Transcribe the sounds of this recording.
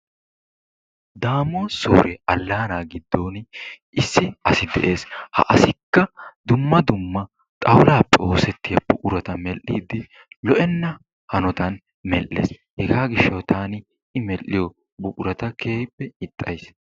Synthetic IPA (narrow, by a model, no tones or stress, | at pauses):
d̪aːmoːso̰ːɾɛʔɐlːaːnaːɡɪd̪ːo̞ːn | ɪsːɪɐsɪd̪ɛ̰ʔe̞ːshɐ̰ʔɐsɪkːɐd̪ʊmːɐd̪ʊmːɐ | t̪ʼɐwlaːpːɛo̞ːsɛt̪ːɪjɐbʊʔʼʊɾɐt̪ɐmɛlːiːd̪ɪ | lɔʔɛnːɐ | hɐnɔt̪ɐn | mɛlʔːḛːs | hɛɡaːɡɪʃːɐwt̪aːnɪ | ɪmɛlːɪjɔ | bʊkʼʊɾɐt̪ɐkʰeːjbːɛɪt̪ʼːɐjs